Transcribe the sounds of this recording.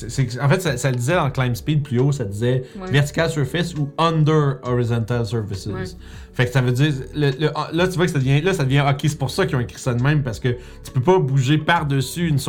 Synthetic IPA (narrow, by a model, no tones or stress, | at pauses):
sesɛɑ̃fɛt̪sasaləd̪izɛd̪ɑ̃klaj̃mspid̪̚plyosad̪izɛvɛʁt̪i̥kʲalsyʁfɪsuʌ̃nd̪ə˞ɔʁizɑ̃nt̪alsə˞vɪsɪz | faksavød͡ziːʁlələʔɑ̃lʌt̪yvwakəsad̪əvjɛ̃lʌsad̪əvjɛ̃ɔkʲese̥pʊʁsʌkjɔ̃ekχi̥sad̪mɛ̃mpaʁsə̥kə | t̪y̥pøpʌbuʒepaʁd̪əsyːns